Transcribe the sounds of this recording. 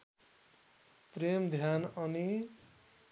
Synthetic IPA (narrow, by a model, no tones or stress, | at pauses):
premd̪ʱjanʌni